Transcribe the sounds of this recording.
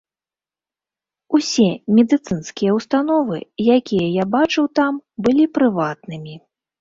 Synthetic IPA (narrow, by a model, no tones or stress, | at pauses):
usʲɛmʲɛd̪ɨt̪sɨnskʲijɛwst̪anɔvɨjakʲijɛjabat͡ʂɨwt̪ambɨlʲipɾɨvat̪nɨmʲi